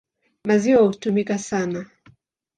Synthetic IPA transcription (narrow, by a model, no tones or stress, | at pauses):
maziwahutumikasana